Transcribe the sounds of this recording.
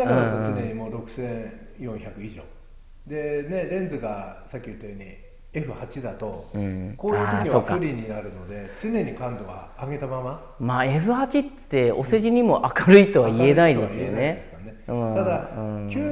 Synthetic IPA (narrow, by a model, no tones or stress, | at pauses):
nakaɯ̃ãt̪ot͡sɨe̞ɲ̟imo̞ːɾo̞kɯ̟̥sẽɰ̃ | jõ̞çakɯ̟iʑo̞̰ː | d̪e̞ne̞ɾẽ̞nd͡zzɨɡasakʲːiɯ̟t̪ːajoɲ̟ḭ | e̞ɸɯ̟hat͡ɕid̪at̪o̞ɯ̃koːɾaiɯːt̪okiɲio̞ːkːaɯɾʲiɲ̟inaɾɯ̟no̞d̪e̞t͡sɨne̞ɲ̟ikãnd̪oβa̰ːɡe̞t̪amama | maːe̞ɸɯ̟hat͡ɕit̪ːe̞o̞seʑiɲ̟imo̞ʔakaɾɯ̟it̪o̞βaie̞naid̪e̞ssɨjonne̞d̪eskaneɯ̃t̪ad̪aɯ̃kʲɨ